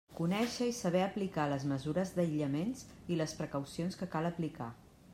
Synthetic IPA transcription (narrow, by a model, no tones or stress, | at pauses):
kunɛʃəisəβ̞ɛəplikaləzməzuɾəzðəiʎəmenziləspɾəkəwsionskəkaləplika̰